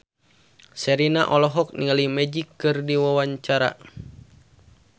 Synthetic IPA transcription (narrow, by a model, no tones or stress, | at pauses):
sɛɾinaʔɔlɔɦɔk̚niŋalimɛd͡ʒikːɨrdiwawaɲt͡ʃaɾa̰